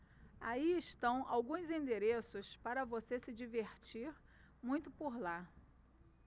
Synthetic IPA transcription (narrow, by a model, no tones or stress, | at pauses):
aiɪʃt̪ɐ̃w̃a̰wɡũzĩnd̪eɾesʊspaɾɐvosesɪd͡ʒiveɾt͡ʃiɾ | mũj̃t̪ʊpoɾla